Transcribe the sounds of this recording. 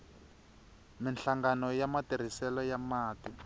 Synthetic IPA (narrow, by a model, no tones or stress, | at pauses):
minɬaŋɡanɔjamatir̤isɛlɔjamaːti